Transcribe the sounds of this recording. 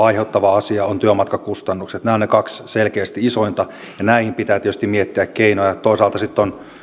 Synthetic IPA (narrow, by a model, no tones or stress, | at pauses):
ɑiheut̪ːɑʋɑɑsiɑont̪yømɑt̪kɑkust̪ɑnːukset̪næːonekɑksselkeːst̪iisoint̪ɑ | jɑnæihimpit̪æːt̪iet̪ys̆t̪imiet̪ːiækkeinojɑt̪oisɑːlt̪ɑsit̪ːon